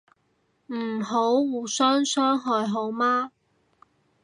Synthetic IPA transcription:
m̩˨˩ɦo˨˥wwuː˨˧sœː˥ŋsœː˥ŋɦɔː˨˧jɦo˨˥wmaː˥

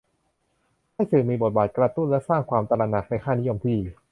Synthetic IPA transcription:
ha˥˩jsɯ˨˩miː˧bo˨˩t̪̚baː˨˩t̪̚kɾa˧t̪u˥˩nlɛ˦˥saː˥˩ŋkʰwaː˧mt̪a˧la˧na˨˩k̚na˧jkʰaː˥˩ni˦˥jo˧mp̪ʰiː˧˩

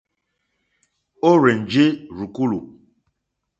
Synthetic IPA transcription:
o˦ɾe˨n˨d͡ʒe˦ɾu˨ku˦lu˨

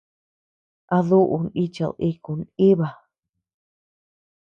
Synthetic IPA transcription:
a˧ðu˦ʔu˨ni˦t͡ʃa̰˧˨ði˧ku˨ni˦βa˨

